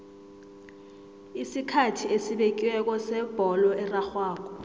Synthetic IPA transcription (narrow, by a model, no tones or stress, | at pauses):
isikʰatʰiesiɓek̬ʼiwɛk̬ɔsɛb̥ʱɔlɔɛraxwaːk̬ɔ